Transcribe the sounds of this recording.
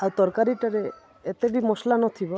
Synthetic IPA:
awt̪ɔɾkaɾiʈaɾe | et̪ebimoslanɔt̪ʰibɔ

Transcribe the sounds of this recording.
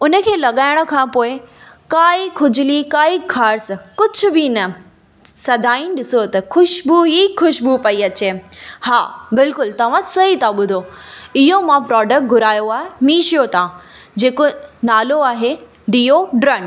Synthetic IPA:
ʊnə̆kʰeːlɐɠaːɪɽ̃ʊ̆kʰãːpoːɪkaːikʰʊd͡ʑʱʊlikaːikʰaːɾskʊd͡ʑʱʊ̆bɪnɐ | sɐd̪ʱaːinɗɪsot̪ɐxʰʊʃbuɦixʊʃbupɐiɐt͡ɕeːhaːbɪlkʊlt̪ɐʋ̤ãsɐɦit̪ãɓʊd̪ʱoɪɦomãpɾɔːɖək̚ʈ̚ɡʱʊɾaːjoaːɦemĩːʃijot̪ãː | d͡ʑeːkonaːloaːɦe | ɖiːoɖɾɐɳ

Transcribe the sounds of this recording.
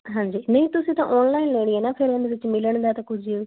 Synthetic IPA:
ɦãːɲd͡ʒiːnə̃ĩːt̪ʊsĩːt̪ã̰ːʔɔːnlaːinleːɽ̃ieːnaːpʰɪɾend̪eʋɪt͡ʃmɪləɳd̪aːt̪ãːkʊd͡ʒʱ

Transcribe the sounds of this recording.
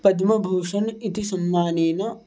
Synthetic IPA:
pɐd̪mɐbʱuːʂɐnit̪ʰisɐmːaːneːnɐ

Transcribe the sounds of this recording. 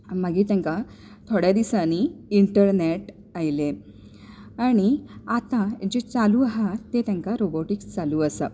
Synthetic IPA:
məɡiːt̪jãŋka | t̪ʰoɽjad̪isañiiɳʈəɾneʈ | ajle | aɽ̃iat̪ãd͡ʑet͡saluːaɦat̪et̪jãŋkaɾoboʈikst͡saluːəsa

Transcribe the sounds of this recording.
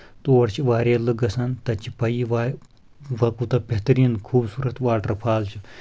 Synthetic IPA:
t̪oːɽt͡ʃʰiʋaːɾeːlɨɡɐsɐnt̪ɐt͡ʃʰipɐjiʋaː | ʋɐkut̪ɐbʲeɦt̪ɐɾiːnkʰuːbsuːɾɐt̪ʋaːʈɐɾpʰaːlt͡ʃʰi

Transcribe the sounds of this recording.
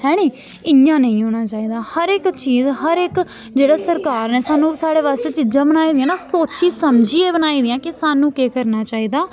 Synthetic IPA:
hɛːɽ̃iː | ɪjãːnə̃ĩɦoːɽ̃aːt͡ʃaːiːd̪aːhəɾɪkt͡ʃiːzɦəɾɪk | d͡ʒeːɽaːsəɾkaːɾneːsaːnũːsaːɽeːʋaːst̪eːt͡ʃid͡ʒãːbənaːiːd̪ɪjãːnaːsoːt͡ʃiːsəmd͡ʒiːeːbənaːiːd̪ɪjãːkɪsaːnũːkeːkəɾnaːt͡ʃaːiːd̪aː

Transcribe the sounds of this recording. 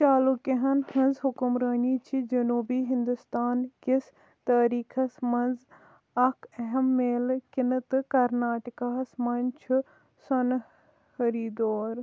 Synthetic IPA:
t͡ʃaːlukeɦɐnhɐ̃nzɦʊkʊmɾɐːniːt͡ʃʰid͡ʒɐnuːbiːɦɪ̃nd̪ʊst̪aːnkɪs | t̪ɐːɾiːkʰɐsmɐnz | ɐkʰɐɦɛmːeːlkɪnɨt̪ɨkɐɾnaːʈikaːsmɐnt͡ʃʰu | sɐn | hɐɾiːd̪oːɾ

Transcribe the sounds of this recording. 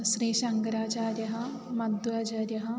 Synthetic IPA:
ʃɾiːʃɐŋkɾaːt͡ʃaːɾjɐɦɐ | mɐd̪uaːt͡ʃaːɾjɐɦɐ

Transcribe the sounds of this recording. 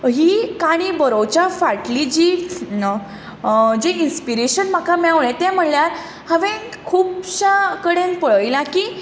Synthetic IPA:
ɦiːkaɽ̃ibəɾowt͡ɕafaʈlid͡ʑiː | d͡ʑeinspiɾeɕənm̤akamaʋɭẽt̪ɛ̃m̤əɳljaɾ | həʋẽ | kʰuːpɕakəɽẽnpəɭəjlãkiː

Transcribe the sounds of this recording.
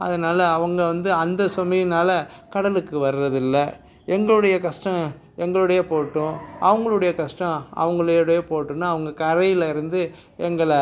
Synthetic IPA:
ɐ̰ðɯnaːlɐːʋɐŋɡɐʋɐnd̪ɯɐnd̪ɐsɔmɐjɪnaːlɐkɐɽɐlɯkːɯʋɐɾɯɾɐðɪlːɐ | ɛŋɡɐɭɯɽɐjɐkɐʂʈɐ̃ | ɛŋɡɐɭɯɽɐjɐpoːʈːʊ̃ʔɐ̰ʋɐŋɡɐɭɯɽɐjɐkɐʂʈɐ̃ɐ̰ʋɐŋɡɐɭɯjɯɽɐjepoːʈːɯ̃nːaːʋɐŋɡɐkɐɾɐjɪlɪɾɯnd̪ɯ | ɛŋɡɐɭ

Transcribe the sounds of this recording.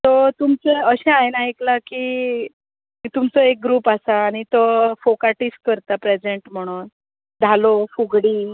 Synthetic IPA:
t̪ot̪umt͡seəɕẽajnaeklakiː | t̪umt͡sɔek̚ɡɾuːpasaːɽ̃it̪ofokaʈiskəɾt̪apɾed͡zeɳʈm̤əɽ̃uːn | d̪ʱalofuɡɽiː

